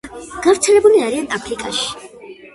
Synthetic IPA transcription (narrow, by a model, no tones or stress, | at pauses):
ɡ̥avɾt̪sʰɛlɛbuliaɾianapʰɾikʼaʃi̥